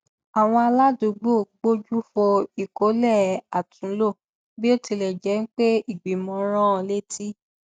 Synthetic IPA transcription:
a˨w̃ɔ̃˧a˧la˦du˧˨ɡ͡bo˦˨ɡ͡bo˦d͡ʒu˦fɔ˧i˨ko˨˦lɛ˦˨a˨tʰũ˨˦lo˦˨ | bi˦o˦ti˧lɛ˨d͡ʒɛ˨˦n̩˦k͡pe˦i˦˨ɡ͡bi˨˦mɔ̃˧ɾ̃ã˦˧le˦tʰi˦

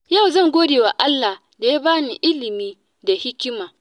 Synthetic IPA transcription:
ja˦˨wzɐ˦˨ŋɡʷoː˦deː˨wa˨ʔa˦lːa˨ | da˨ja˦baː˦ni˨ʔɪ˦lɪ˨miː˦ | da˨hɪ˦kʲɪ˦maː˨

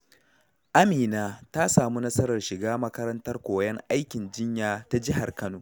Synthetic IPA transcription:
ʔa˦miː˨naː˦ta˦saː˨mu˦nɐ˦sɐ˦ɾɐ˨rʃɪ˨ɡaː˦mɐ˦kɐ˦ɾɐ˦ntɐ˦rkʷoː˨˦jɛ˦ŋʔa˦jkʲɪ˨nd͡ʒɪ˦ɲjaː˦ta˦d͡ʒɪ˦ɦa˨rkɐ˦noː˨

